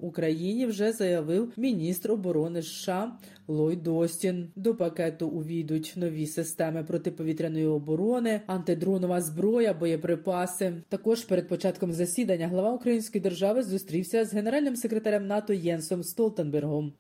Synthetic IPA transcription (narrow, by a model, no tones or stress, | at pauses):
ukɾɐjinʲiwʒɛzɐjɐʋɪwmʲinʲist̪rɔbɔɾɔnɪʃːɑ | lˠɔjd̪ɔsʲtʲind̪ɔpɐkɛt̪ʊʔʊʋʲid̪ʊtʲnɔʋʲisɪst̪ɛmɪpɾɔt̪ɪpɔʋʲit̪ʲɾʲɐnɔjiɔbɔɾɔnɪɐnt̪ɪd̪ɾɔnɔʋɐzbɾɔjɐbɔjɛpɾɪpɑsɪt̪ɐkɔʒpeɾed̪̚pɔt͡ʃɑt̪kɔmzɐsʲid̪ɐnʲːɐɦlˠɐʋɑʊkɾɐjinʲsʲkɔjid̪erʒɑʋɪzʊst̪ɾʲiwsʲɐzɦe̞neɾɑlʲnɪmse̞kɾet̪ɐɾʲɐmnɑt̪ɔjɛnsɔmst̪ɔlˠt̪enberɦɔm